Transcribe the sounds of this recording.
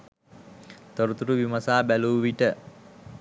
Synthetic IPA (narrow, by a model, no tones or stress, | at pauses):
t̪oɾut̪uʈuʋimɐsaːbæluːʋiʈə